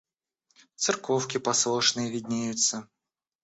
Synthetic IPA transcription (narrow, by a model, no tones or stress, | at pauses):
t̪sɨrkofkʲɪpɐslˠoʂnɨjəvʲɪd̪ʲnʲejʊt̪sə